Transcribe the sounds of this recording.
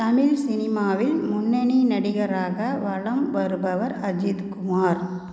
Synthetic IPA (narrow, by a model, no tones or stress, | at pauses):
t̪ɐmɪlsɪnɪmaːʋɪlmʊnːɐninɐɽɪɣɐɾaːɣɐʋɐɭɐmʋɐɾɯbɐʋɐɾɐd͡ʒɪd̪kʊmaːɾ